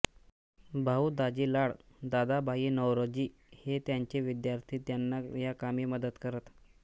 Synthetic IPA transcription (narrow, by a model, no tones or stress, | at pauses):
bʱauːd̪ad͡ʑiːlaɽd̪ad̪abʱaiːnəwɾod͡ʑiː | het̪jaɲt͡ɕeʋid̪jaɾt̪ʰiːt̪janːajakamiːməd̪ət̪kəɾət̪